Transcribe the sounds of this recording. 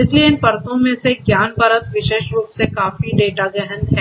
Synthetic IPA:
ɪslieɪnpɐɾt̪õmẽseɡjaːnbʱəɾət̪ʋɪʃeːʃɾuːpsekaːfiɖeːʈaɡɛɦə̃nd̪ɦɛː

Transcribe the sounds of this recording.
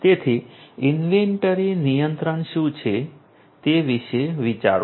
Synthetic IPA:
t̪et̪ʰiinʋeɳʈəɾinijənt̪ɾəɳʃũt͡ʃʰe | t̪eʋiʃeʋit͡ʃa̰ɾ

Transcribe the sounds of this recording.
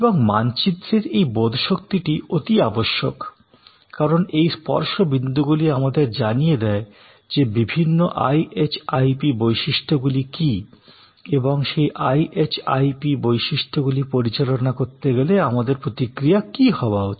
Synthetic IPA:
eboŋmant͡ɕid̪ːɾeɾejbod̪ʱʃokt̪iʈiot̪iaboʃːo̰k | kaɾonejspɔ̰ɾʃobind̪uɡuliamad̪eɾd͡ʑanijed̪ɛe | d͡ʑebibʱinːoʔa̰jʔet͡ɕajpibojʃiʃʈʰoɡuliki | eboŋʃejʔajʔet͡ɕa̰jpibojʃiʃʈʰoɡulipoɾit͡ɕalonakoɾt̪eɡeleamad̪eɾpɾot̪ikɾijakihɔbaɦoe̥

